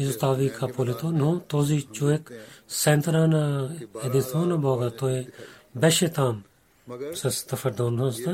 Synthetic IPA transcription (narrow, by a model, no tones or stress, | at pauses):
isut̪aːʋikʰaːpoːlet̪oːnõt̪oːzit͡ʃoeksɛnt̪ɾaːnaed̪isoːnãboːɡat̪oːebɛʃet̪aːm | sɐst̪ɐfɐɾd̪õːnõst̪a